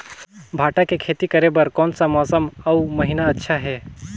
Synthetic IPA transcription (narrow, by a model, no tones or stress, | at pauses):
bʱaːʈakekʰeːt̪ikəɾebəɾkɔːnsamɔːsəməuməɦinaətːʃʰaɦɛː